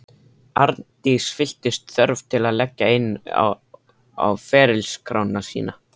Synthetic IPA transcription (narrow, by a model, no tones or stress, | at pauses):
aɾt̪isfɪl̥t̪ɪst̪θœɾv̥t̪ʰɪlaðlɛcːaɪnːa̰ | a̰wfɛːɾɪlskʰɾaːwnasḭːna